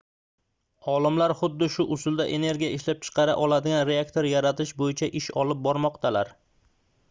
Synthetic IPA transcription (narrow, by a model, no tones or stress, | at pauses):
ɒlˠɪmlaɾχʊd̪ːɪʃʊʔʊsʊlˠd̪aʔe̞ne̞ɾɡʲijaɪʃlap̚t͡ʃʰɨ̥qʰɑɾa̰ʔɒlˠad̪ɪɡʲanɾe̞akt̪ʰoɾjaɾat̪ʰɪʃbojɪt͡ʃʰaʔɪʃɒlɪp̚bɒɾmɒqt̪ʰalaɾ